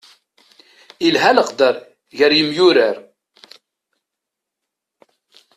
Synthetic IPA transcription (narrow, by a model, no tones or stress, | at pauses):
ilɦæləqd̪əɾˤ | ʝəɾjəmjʊɾəɾ